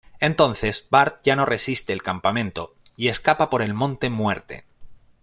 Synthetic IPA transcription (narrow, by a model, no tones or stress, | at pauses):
e̞nt̪o̞nθe̞zbaɾt̪̚ʝano̞re̞sist̪eːlkampamẽ̞nt̪o̞ | ie̞skapapo̞ɾe̞lmõ̞nt̪e̞mwe̞ɾt̪ḛ